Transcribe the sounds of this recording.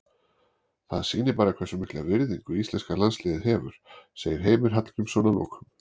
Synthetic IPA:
θa̰ðsiːnɪɾpaːɾakʰvɛsʏmɪhklavɪɾðiŋkʏist̪ɛnskalanslɪːðɪðɦɛːvʏ̰ɾ̥seːjɪɾ̥ɦeːjmɪɾ̥ɦat̪lcʏmsownalo̰ːxʏm

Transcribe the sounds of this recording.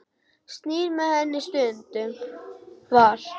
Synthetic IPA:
st̪niːɾmɛhɛnːɪst̪ʏnt̪ʏ | vaɾ

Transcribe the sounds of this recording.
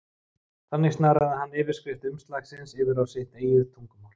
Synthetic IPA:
θanːɪɣst̪naːɾaðɪɦanːɛːvɪɾ̥skɾɪht̪ʏmst̪laːxsɪnsɪːvɪɾawsɪht̪eːjʏt̪ʰuŋkʏmawl̥

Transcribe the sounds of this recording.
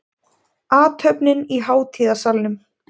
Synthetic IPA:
aːt̪hœpnɪniɦaːwt̪ʰiːðasalnʏm

